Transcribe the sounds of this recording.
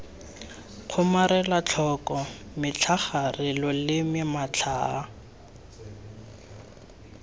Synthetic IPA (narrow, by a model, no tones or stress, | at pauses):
q͡χʰʊmaɾɛlat͡ɬʰɔkɔmɪt͡ɬʰaχarɪlɔlɪmɪmat͡ɬʰaː